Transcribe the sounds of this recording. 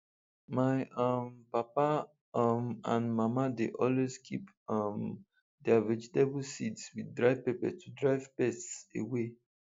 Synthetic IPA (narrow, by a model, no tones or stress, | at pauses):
maɪʌmpapa | mãnmamadeʔɔlwezkʰip | ʌm | dɛaɹɛd͡ʒitebusitswidɹaɪv̥pepɛ̰tʰudɹaɪvpɛstsḛwe